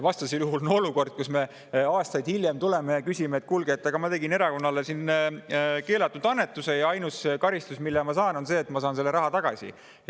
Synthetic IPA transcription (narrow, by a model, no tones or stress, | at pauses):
vɑst̪ɑsejuɦulno̞luko̞rd̪̥̚kusme̞ | ɑːst̪ɑjd̪̥hiljemt̪ule̞mejɑkysʲimeːt̪̚ːˑkulɡ̥eːt̪ːˑɑɡ̥ɑmɑt̪e̞ɡine̞ɾɑko̞nːɑlesin | ke̞ːlɑt̪ːˑud̪̥ɑnːe̞t̪ːˑuse̞jɑɑjnuskɑɾist̪usmilːemɑsɑːno̞nse̞ːt̪mɑsɑːnse̞lːe̞ɾɑɦɑt̪ɑɡ̥ɑ̰sʲḭ